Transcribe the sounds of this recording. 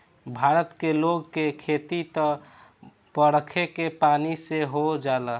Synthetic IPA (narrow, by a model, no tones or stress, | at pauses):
bʱaːɾət̪keloɡkekʰet̪it̪ə | pəɽəkʰekepaniseɦod͡ʒalə